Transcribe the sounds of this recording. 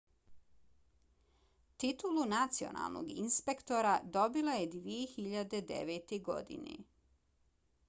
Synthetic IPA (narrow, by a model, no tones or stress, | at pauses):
t̪it̪ulunat̪sio̞̰nʔa̰lˠnʔo̰ɡinspe̞kt̪o̞ɾad̪o̞bilaje̞d̪ʋijexiʎad̪e̞d̪ḛʋeːt̪eɡo̞̰d̪ḭnḛ